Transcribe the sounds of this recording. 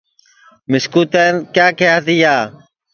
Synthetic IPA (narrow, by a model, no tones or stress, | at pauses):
mɪskuːt̪ɛːnkjaːkɪjaːt̪iːaː